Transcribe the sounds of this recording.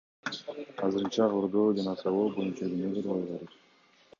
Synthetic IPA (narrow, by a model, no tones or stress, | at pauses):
ɑzɯɾɯnt͡ʃɑʁoɾd̪oːd͡ʒɑnɑsɑlˠoːbo̞junt͡ʃɑɡʲineɡ̪eɾʁojʁeɾet̪